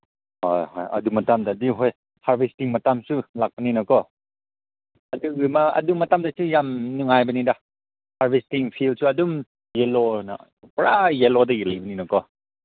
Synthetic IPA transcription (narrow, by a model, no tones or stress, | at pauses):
hojhɔjɐ̰dumɐtamdadiɦɔj | haɾbestiŋmatamsulak̚baninɔkɔ | ɐduɯmaɐ̰dumatamdasujamnuŋajbɐnida | haɾbestiŋpʰilsuadum | jelɔna̰ | pɾajelɔdajilajbɐninɔkɔ